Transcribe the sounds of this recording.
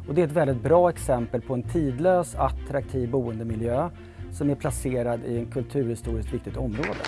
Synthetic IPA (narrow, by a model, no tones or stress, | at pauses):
ɔd̪ɛɾɛt̪vɛld̪ɪt̪̚bɾɑːɛksɛmpəlpʰɔɛnt̪ʰiːd̪løːsat̪ɾak̚t̪ʰiːvbuːənd̪əmɪljøː | sɔmæɾpʰlaseːɾad̪ɪɛnkʰɵlt̪ʰʉ̟ːɾhɪst̪uːɾɪskt̪vɪkt̪ɪɡ̚t̪ɔmːɾoːd̪ə̰